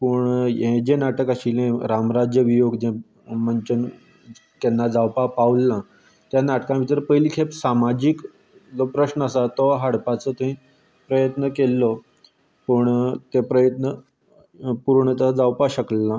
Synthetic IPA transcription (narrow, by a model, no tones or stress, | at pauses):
pəɳjẽd͡ʑenaʈəkaɕilẽɾamɾad͡ʑjəʋijoɡd͡ʑẽ | məɲt͡ɕən | t̪ɛnːad͡zawpapaʋlːã | t̪janaʈkãʋit̪əɾpəjlikʰepsamad͡ʑik | d͡zɔpɾəɕnəəsat̪ɔɦaɽpat͡sət̪ĩ | pɾəjət̪nəkelːɔ | pəɳt̪epɾəjət̪nə | puɾɳət̪ad͡zawpaɕəklːã